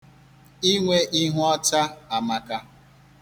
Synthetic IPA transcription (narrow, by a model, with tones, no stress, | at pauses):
i˦ŋʷe˦ʔi˦ɦʊ˦ɔ˦ta˦a˨ma˨ka˦